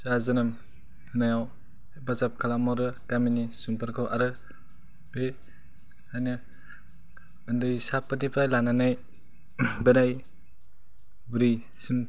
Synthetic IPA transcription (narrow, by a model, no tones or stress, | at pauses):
sazɯnɯm | hɯnajaw | bazap̚kʰalamɔɾɯkaminisumpʰɯɾkʰɯwʔaɾɯ | be | ajnɯ | ɯndɯsapːɯnipɾajlananaj | benaj | bɾi | sim